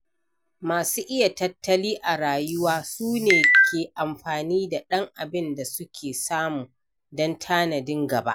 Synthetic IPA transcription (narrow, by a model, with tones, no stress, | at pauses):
maː˨suː˦ʔɪ˦ja˨tɐ˦tːɐ˦liː˦ʔa˨ɽaː˨jʊ˦waː˦suː˦neː˨kʲʰeː˨ʔa˨mɸaː˨niː˦da˨ɗɐ˦ŋʔa˨bɪ˦nda˨sʊ˦kʲʰeː˨saː˦muː˨ | dɔ˦ntʰaː˦nɐ˨dɪ˦ŋɡɐ˨ba̰˦ʔ